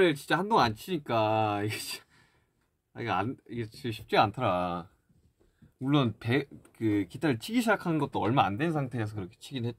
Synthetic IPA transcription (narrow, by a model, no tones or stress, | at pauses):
ɯt͡ɕint͡ɕ͈ahandoŋant͡ɕʰiɲik͈aiɡe | iɡaniɡet͡ɕiɡɕʰi̥p̚t͡ɕ͈iɡantʰaɾa | muɭːonpe̞kɯkitʰaɾɯɭt͡ɕʰiɡiɕʰid͡ʑakʰannɡʌt͈̚oʌɭmaandwe̞nsʰaŋtʰe̞ːs̬ʰʌkɯɾʌkʰe̥t͡ɕʰiɡinɦe